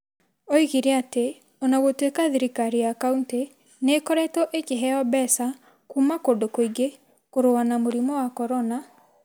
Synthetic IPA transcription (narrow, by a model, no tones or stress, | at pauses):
oiɣiɾeate | ɔnaɣotwekaðiɾikaɾiakaunte | nekɔɾɛtɔʔekeɦɛɔbɛsa | kumakodokoiɡe | koɾoanamoɾimɔwakɔɾɔna